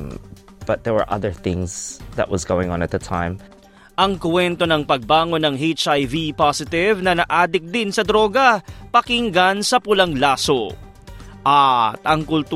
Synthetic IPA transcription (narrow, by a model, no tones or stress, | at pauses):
b̥ʌt̪̚ðɛɹwə̰˞ʔʌ̰ðə˞θɪ̃ŋz̥ðə̰ʔ̚wʌzɡowɪ̃ŋɔ̃nɛt̪̚ðətʰã̰ɪ̃m | ʔɐŋkwɛnt̪o̞nɐŋpɐɡ̚baːŋo̞nɐŋhejt͡ʃajvipasɪt̪ɪvnɐnɐʔaːd̪ɪk̚d̪ɪnsɐd̪ɾo̞ːɡɐpɐkɪŋɡɐnsɐpʊlɐŋlaːso | ʔɐt̪ɐŋkʊlt̪